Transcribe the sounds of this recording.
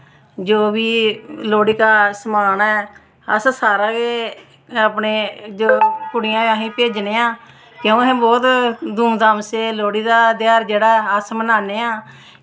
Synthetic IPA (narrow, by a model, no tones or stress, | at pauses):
d͡ʒoːbiːloːɽiːkaːsmaːnɛː | ə̰ssaːɾãːkeː | aːpneːd͡ʒoːkʊɽɪjãːãːɦĩːpeːd͡ʒneːãː | kẽũːɦɛ̃ːbɔːt̪d̪uːmd̪aːmseːloːɽiːd̪aːd̪ɪjaːɾd͡ʒeːɽaːəsmənaːneːãː